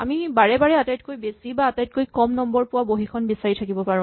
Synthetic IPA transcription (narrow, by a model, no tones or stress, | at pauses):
amibaɹɛbaɹɛatajtkojbesibaːtajt̚kojkɔmnɔmbɔɹpʊwaboɦikʰɔnbisaɹitʰakibɔpaɹũ